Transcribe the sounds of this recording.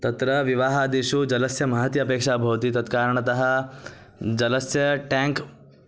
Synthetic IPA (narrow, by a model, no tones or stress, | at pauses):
t̪ɐt̪ɾɐʋiʋaːɦaːd̪iʂud͡ʒɐlɐsjɐmɐɦɐt̪jɐːpeːkʂaːbʱɐʋɐt̪it̪ɐt̪kaːɾɐɳɐt̪ɐɦɐ̆ | d͡ʒɐlɐsjɐʈaːŋk